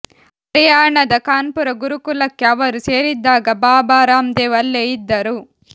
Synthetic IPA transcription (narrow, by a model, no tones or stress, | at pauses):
pɾɐjaːɾɳɐd̪ɐkaːnpuɾɐɡuɾukulɐkːiɐʋɐɾuseːɾid̪ːaːɡɐbaːbaːɾaːmd̪eːʋɐlːeːjid̪ːɐɾu